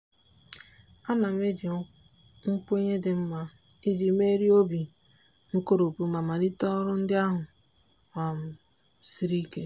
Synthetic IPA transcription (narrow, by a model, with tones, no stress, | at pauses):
a˦na˨me˦di˨˦ | ŋ̩˦k͡pu˦e˦ɲe˦dɪ˨m̩˦ma˦ | i˦di˨me˦ɾi˦o˦bi˨ | ŋ̩˦ko˦ɾo˨pu˦ma˨ma˨dɪ˦tɔ˦ɾʊ˦n̩˦dɪ˦a˦ɦʊ˨ | ŋa˨m̩˨ | si˦ɾi˦ke˦